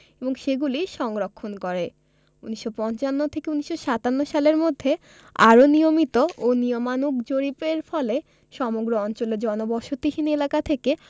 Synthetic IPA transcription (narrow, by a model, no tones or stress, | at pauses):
eboŋʃeɡuliʃɔŋɾokʰːonkɔɾe | uniʃːopɔnt͡ɕanːot̪ʰekeuniʃoʃat̪anːoʃaleɾmod̪ʱːe | a̰ɾonijomit̪oʔoniomanukd͡ʑoɾipeɾfɔle | ʃɔmoɡɾoɔnt͡ɕoleɾd͡ʑɔnobɔʃot̪iɦinelakat̪ʰeke